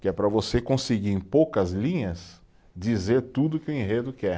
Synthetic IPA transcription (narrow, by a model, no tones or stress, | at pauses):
kɪɛpɾɐvosekõsɪɡiɾẽj̃powkɐzlĩɲɐs | d͡ʒizeɾt̪ud̪ʊkɪʊẽɦed̪ʊkɛ